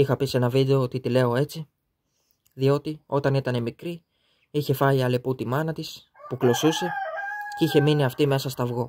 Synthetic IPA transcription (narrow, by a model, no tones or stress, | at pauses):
ixɐpise̞nɐvid̪e̞o̞ot̪it̪ile̞o̞e̞t͡si | ðio̞t̪io̞t̪ɐnit̪ɐne̞mikɾi | içe̞fɐiɐle̞put̪imɐnɐt̪is | puklo̞suse̞ciçe̞miniɐft̪ime̞sɐst̪ɐvɣo̞